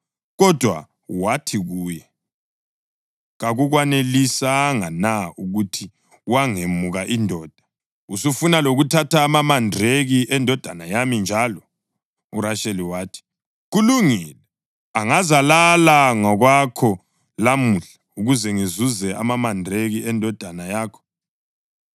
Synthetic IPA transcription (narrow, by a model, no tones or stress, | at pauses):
ɣɔd̥ʱwa̰ | watʰiɣuːjɛ | ɣaɣuɣwanelisaŋanauɣutʰi | waŋemuɣaʔindʱɔːd̥ʱḁ | usufunaloɣutʰataːmamandreɣiʔɛndʱɔd̥ʱanajamind͡ʒʱalɔ | uɾaʃeliwaːtʰi̥ | ɣuluŋilɛ | aŋazalalaŋɔɣwakʰɔ | lamuɬauɣuzɛŋizuzɛʔa̰mamandʱreɣiɛndʱɔd̥ʱanajaːkʰɔ̥